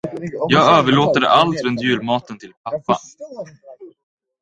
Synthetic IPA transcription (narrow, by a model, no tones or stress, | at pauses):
jɑːɡøːvəɭoːt̪ad̪ə̰ʔalt̪ɾɵnt̪jʉ̟ːlmɑːt̪ənt̪ʰɪlpʰapːa̰